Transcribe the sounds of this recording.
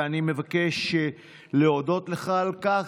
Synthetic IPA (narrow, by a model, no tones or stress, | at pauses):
animevakeʃ | leodo̞tleχalka